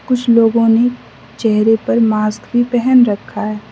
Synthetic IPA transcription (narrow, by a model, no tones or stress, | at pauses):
kʊt͡ʃʰloːɡõne | t͡ʃɛɦɾepɐɾmaːskbʱipɛɦɛnɾɐkʰːaɦɛː